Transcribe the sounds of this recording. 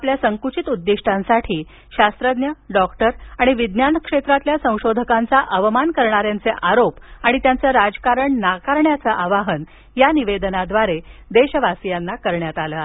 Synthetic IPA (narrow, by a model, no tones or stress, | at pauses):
apljasəŋkut͡ɕit̪ud̪ːiʂʈʰãnsaʈʰiː | ɕast̪ɾəd̪njəɖɔkʈəɾaɽ̃iʋid̪njanəkʂet̪ɾat̪ljasə̃w̃ɕod̪ʱəkãnt͡saʔəʋəmankəɾɳaɾjant͡seʔaɾopaɽ̃it̪jant͡səɾad͡zəkaɾəɳnakaɾɳjat͡səʔaʋaɦən | janiʋed̪ənad̪ʋaɾed̪eɕəʋasijanːakəɾɳjat̪alə